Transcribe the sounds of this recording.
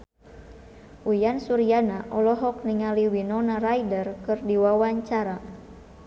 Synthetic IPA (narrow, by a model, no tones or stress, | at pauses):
ʔujansuɾianaʔɔlɔɦɔk̚niŋaliwinɔnaɾajdərkɨrdiwawaɲt͡ʃaɾa